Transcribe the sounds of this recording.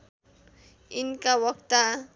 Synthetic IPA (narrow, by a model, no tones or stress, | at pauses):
inkawʌk̚t̪a